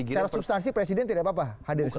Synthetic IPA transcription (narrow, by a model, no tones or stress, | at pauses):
t͡ʃaɾasubst̪ans̬ipɾesidɛnt̪idapap̬ahadɪrs